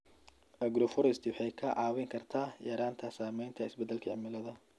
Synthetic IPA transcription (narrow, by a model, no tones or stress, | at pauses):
ɐɡɾɔfɔɾɪst̪ʰɪwħɛjkʰɐʕɑːwɪŋkʰɐrt̪ʰaːjɐɾaːnt̪ʰɐsaːmɛjnt̪ʰɐɪsbɛd̪ːɛlkʰɐʕɪ̰mɪlɐðɐ